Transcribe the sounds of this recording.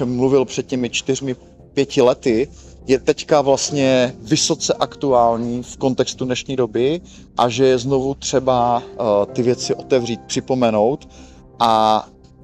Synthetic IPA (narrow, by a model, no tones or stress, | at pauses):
ɛmːluvɪlpr̥ɛt̪̚cimɪt͡ʃt̪ɪrmɪ | pjɛcɪlɛt̪ɪ | jɛt̪ɛckavlast̪ɲɛvɪso̞t͡sɛʔakt̪uaːlɲiːfko̞nt̪ɛkst̪udnɛʃɲiːdo̞bɪ | ʔaʒɛjɛznovut̪r̝̥ɛbat̪ɪvjɛt͡sɪʔo̞t̪ɛvriːt̪̚pr̝̥ɪpo̞mɛno̞wt̪ | ʔa